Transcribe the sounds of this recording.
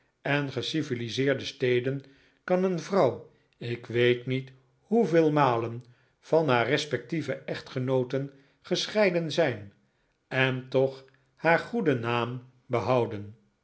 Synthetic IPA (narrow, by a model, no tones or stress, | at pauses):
ɛnχəsivilizɪːɹdəstejdən | kɑnənvrɑw | ɪkʋejtnit | huvɪːlˠmaːlən | v̥ɑnɦaːrɛspɛk̚tivəʔɛχtχənowtən | χəsχɛjdənzɛjn | ɛntɔχ | haːɹχudənaːm | bəɦɑwdən